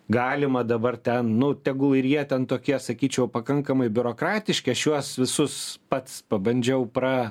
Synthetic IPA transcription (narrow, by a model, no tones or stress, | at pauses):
ɡɑːlʲɪmɐd̪ɐbɐrt̪ʲɛnnʊt̪ʲɛɡʊlˠɪɾjiɛt̪ʲɛnt̪oːkʲiɛsɐkʲiːt͡ʃʲɛʊpɐkɐŋkɐmɐɪbʲʊɾoːkɾɑːt̪ʲɪʃʲkʲeɐʃjuɔsʋʲɪsʊspɐt̪spɐbɐnʲd͡ʒʲɛʊpɾɐ